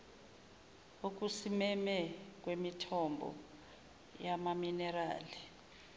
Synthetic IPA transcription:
ok̬usimɛmɛk̬wemitʰɔmbʱɔ̰ | jamaminɛra̰ːli

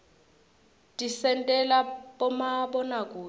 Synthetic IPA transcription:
tʼisɛntʼɛlaɓɔmaɓɔnakʼuː

